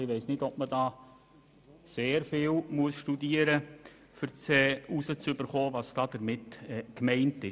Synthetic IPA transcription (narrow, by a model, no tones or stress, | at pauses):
ɪʋɛɪsnɪdɔp̚mədɑː | seːɾfɪːlmuəsʃtudiːəɾə | fʏɾt͡sɛːusət͡sʏbəɾχoːvɑːsd̥ɑːd̥əɾmɪtɛkmɛɪntɪ